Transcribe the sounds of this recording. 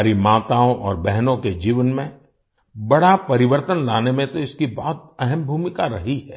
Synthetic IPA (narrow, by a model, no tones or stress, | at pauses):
ɾimaːt̪aːõʔɔːɾbɛɦnõked͡ʒiːʋənmẽ | bɐɽapɐɾɪʋəɾt̪ənlaːnemẽt̪oɪskibɔɦʊt̪̚ɛɦɛmbʱuːmɪkaɾɐɦiɦɛː